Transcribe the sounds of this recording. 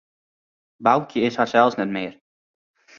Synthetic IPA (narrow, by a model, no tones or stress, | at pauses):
bawkʰjəɪsharsɛlˠsnɛtmɪər